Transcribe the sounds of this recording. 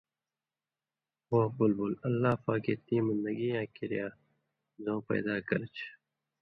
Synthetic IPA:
wobʊlbulɐlːaːpaːkeːt̪ĩːmɪnd̪ɐɡijãːkiɾjaː | zõːpɐ̰ːd̪aːkɐɾt͡ʃʰ

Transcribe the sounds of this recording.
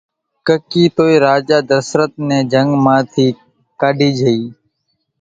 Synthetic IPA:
kəkiːt̪oːiːɾaːd͡ʒaːd̪əɾsɾət̪̚nẽːd͡ʒəŋɡmãːt̪ʰiː | kaːɖʱiːd͡ʒʱəiː

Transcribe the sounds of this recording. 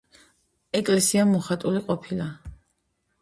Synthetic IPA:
ɛkʼlɛsiamɔχat̪ʼuliqʼɔpʰila

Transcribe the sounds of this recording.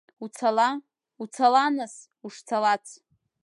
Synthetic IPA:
ut͡sʰala | ut͡sʰalanas | uʂt͡sʰalat͡sʰ

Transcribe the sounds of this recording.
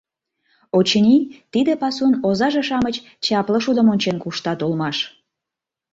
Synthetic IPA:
ot͡ɕənʲit̪id̪epɑsunozɑʒeʃɑmət͡ɕ | t͡ɕɑpləʃud̪ə̆monʲt͡ɕenkuʃt̪ɑt̪ulmɑʃ

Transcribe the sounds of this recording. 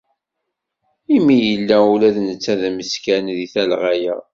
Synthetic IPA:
imːijəlːæulæðnət͡sːæðæməskænðiθælʁajæ̰

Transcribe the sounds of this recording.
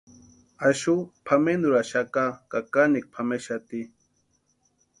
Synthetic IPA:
aʃupʰamenuɾaʃakakakanik̚pʰameʃat̪i

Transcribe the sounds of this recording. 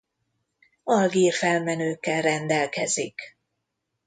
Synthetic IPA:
ɒlɡiːrfɛlmɛnøːkːɛlrɛnd̪ɛlkɛzik

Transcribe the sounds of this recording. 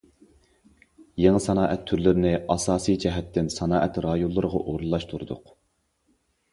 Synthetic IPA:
jeŋɨsɑnɑːʔɛt̪ʰːyɾlɪɾɪnɪɑsɑːsijd͡ʒɛɦɛt̪ʰːɪnsɑnɑːʔɛt̪ɾɑjolˠːɨɾəʁɑ̰ʔoɾulˠːɑʃt̪ʰuɾud̪ʊ̰q

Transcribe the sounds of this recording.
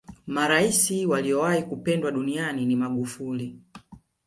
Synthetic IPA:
maɾaisiwaliɔwaikupɛndwaɗunianinimaɡufuli

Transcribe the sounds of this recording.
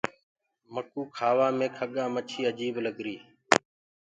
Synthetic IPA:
məkuːkʰaːʋaːmẽːkʰəɠaːmət͡ʃʰiːəd͡ʒiːbləɠɾiː

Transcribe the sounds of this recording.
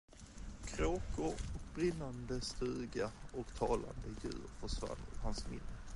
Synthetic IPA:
kʰɾoːkʊɔk̚bɾɪnːand̪əst̪ʉ̟ːɡaɔkt̪ʰɑːla̰nd̪əjʉ̟̰ːɾfœʂva̰ɾəhansmɪ̰nːə

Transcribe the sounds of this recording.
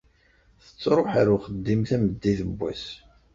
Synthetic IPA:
θə̥t͡sːɾˤoħaɾʊχəd̪ːimθæməd̪ːiθəbʷːæ̰s

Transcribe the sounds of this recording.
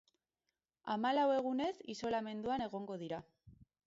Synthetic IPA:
amalawe̞ɣ̞une̞siso̞lame̞nd̪uane̞ɣ̞o̞ŋɡo̞ð̞iɾa

